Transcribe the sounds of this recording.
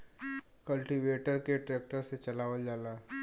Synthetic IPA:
kəlʈiʋeːʈəɾkeʈɾeːk̚ʈəɾset͡ʃɐlaːʋəld͡ʒaːlaː

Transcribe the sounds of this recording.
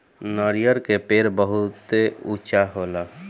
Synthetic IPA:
nəɾijəɾkepeːɾbəɦʊt̪eut͡ʃaɦoːla

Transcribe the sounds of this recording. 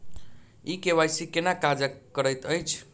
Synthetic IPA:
ikeβajsikenakad͡ʒəkəɾəjt̪əjt͡ʃʰ

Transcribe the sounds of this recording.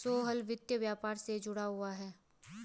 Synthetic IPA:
soːɦəlʋɪt̪jəʋjaːpaːɾsed͡ʒʊɽaɦʊaɦɛː

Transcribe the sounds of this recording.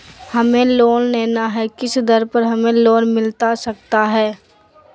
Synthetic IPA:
hɐmẽloːnnɛːnaɦɛkɪsd̪ɐɾpɐɾɦɐmẽloːnmɪlt̪asɐk̚t̪aɦɛː

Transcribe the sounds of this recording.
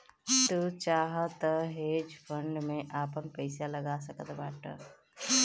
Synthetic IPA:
t̪ut͡ʃaɦət̪əɦed͡ʒpʰəɳɖmeʔapənpəɪsaləɡasəkət̪baːʈə̰

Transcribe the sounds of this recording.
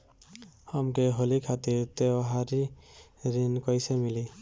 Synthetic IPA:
həmkeɦolikʰat̪iɾt̪ewɦaɾiɾinkɔjsemili

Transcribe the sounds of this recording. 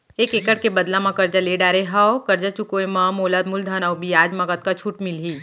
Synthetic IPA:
eːkekəɽkebɐd̪lamãkɐɾd͡ʒaleɖaːɾeɦaokɐɾd͡ʒat͡ʃukoemãmoːlaːd̪mʊld̪ʱaːnaobʱiaːd͡ʒmɐkət̪̚kat͡ʃʰuʈmɪlɦiː

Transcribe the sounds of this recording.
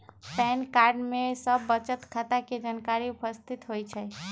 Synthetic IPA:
pɛnkaɾɖmesəbːət͡ʃət̪kʰat̪aked͡ʒankaɾiʊpəst̪ʰit̪ɦojt͡ʃʰɛ

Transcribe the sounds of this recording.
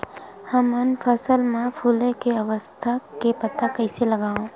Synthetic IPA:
həmənfəsəlmãpʰuːlẽkeɐʋəst̪ʰakepɐt̪akɐɪselɐɡaːɦõː

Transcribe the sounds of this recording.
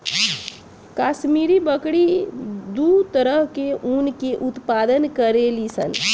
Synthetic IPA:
kaːʃmiːɾibəkɽid̪ut̪əɾəɦkeʔunkeʔʊt̪paːd̪ənkəɾelisə̰n

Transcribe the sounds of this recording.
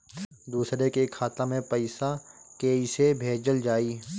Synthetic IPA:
d̪uːsɾekeːkʰːaːt̪amẽpəɪsakeːisebʱeːd͡ʒəld͡ʒaːiː

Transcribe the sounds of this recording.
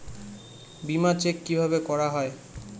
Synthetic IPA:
bimat͡ɕekːibʱabekɔɾaɦɔe

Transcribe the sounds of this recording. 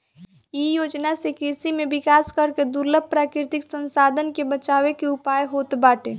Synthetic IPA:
ijoːd͡ʒnasekɾisimẽbɪkaːskəɾked̪ʊɾləb̚ʱpːɾaːkɾɪt̪ɪksə̃nsaːd̪ʱənkebət͡ʃaːwekeʊpaːjɦoːt̪baːʈeː

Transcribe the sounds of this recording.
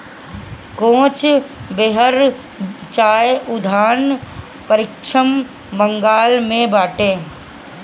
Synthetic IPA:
kõːt͡ʃbeɦəɾ | t͡ʃaːjʊd̪ʱaːn | pəɾɪkʃəm | bə̃ŋɡaːlmẽbaːʈẽː

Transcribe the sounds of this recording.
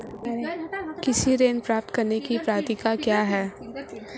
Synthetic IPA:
kɪsiɾeːnpɾaːp̚t̪kɐɾnekipɾaːt̪ikakjaːɦɛː

